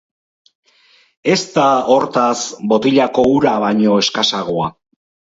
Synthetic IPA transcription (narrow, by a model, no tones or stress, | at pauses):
e̞st̪ao̞ɾt̪asbo̞t̪iʎako̞uɾaβaɲo̞e̞skasaɣ̞o̞a